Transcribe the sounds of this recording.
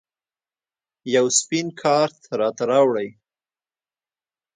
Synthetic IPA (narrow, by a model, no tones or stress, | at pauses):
jawspinkʰɑɾt̪ʰaɾɑt̪aɾɑwɽəj